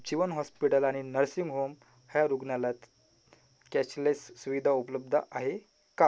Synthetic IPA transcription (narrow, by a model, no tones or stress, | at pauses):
d͡ʑiʋənɦɔspiʈəlaɽ̃inəɾsiŋɡɦom | həjaɾuɡnjalat̪ | kɛt͡ɕlessːuʋid̪ʱaupələb̚d̪ʱəʔaɦe | ka